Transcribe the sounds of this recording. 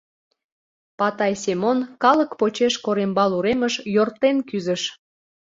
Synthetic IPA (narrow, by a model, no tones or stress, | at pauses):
pɑt̪ɑjsemonkɑləkpot͡ɕeʃkoɾembɑluɾeməʃjort̪enkyzəʃ